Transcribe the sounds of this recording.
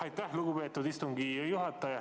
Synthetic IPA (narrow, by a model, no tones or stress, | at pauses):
ɑjt̪ːɑhluɡubeːtt̪ːut̪ist̪uŋɡijuhɑt̪ːɑjɑ